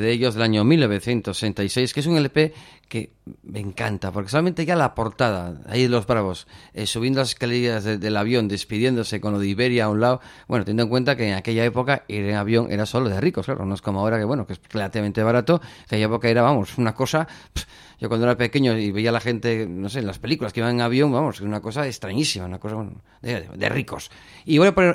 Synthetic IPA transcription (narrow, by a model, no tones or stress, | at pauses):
ðeeʎo̞zðe̞laɲomilno̞β̞eθje̞nt̪osse̞nt̪ajse̞jskeesuŋelepe̞ke | me̞ŋkant̪apoɾkes̬olamẽnt̪eʝalapo̞ɾt̪að̞aa̰iðelo̞zβɾaβ̞o̞sesuβ̞jend̪olaseskalejazðeðe̞laβ̞jo̞nd̪espiðjend̪o̞se̞ko̞nlo̞ðiβe̞ɾjaunlaobwent̪jend̪oeŋkwe̞nt̪akeːŋake̞ʎae̞po̞kaiɾeŋaβjoŋʔeɾaso̞loðeriko̞skla̰ɾounosko̞moaoɾakewenokesr̥elat̪iβament̪eβaɾat̪o̞akeʎaepo̞kae̞ɾaβamo̞sunako̞sa | ɟ͡ʝokwand̪oeɾape̞ke̞ɲoiβe̞ialaxe̞nt̪e̞no̞s̬elaspe̞likulaskiβaŋeŋaβjo̞ŋbamo̞sesunako̞saest̪ɾaɲisimaunakos̬aβweno̰ | d̪eðd̪ḛriko̞s | iβojaponeɾ